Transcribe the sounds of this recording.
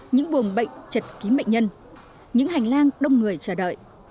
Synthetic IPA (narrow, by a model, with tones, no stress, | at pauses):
ɲɨ̰˧˥ŋɓu˨˩ənɓə̰˧˨jŋ̟t͡ɕə˨˩t̚ki˨˦mə̰˧˨jŋ̟ɲə˧n | ɲɨ̰˧˥ŋha˨˩jŋ̟laː˧ŋɗə˧wŋ͡mŋɨ˨˩əjt͡ɕəː˧˩ɗə̰ː˧˨jʔ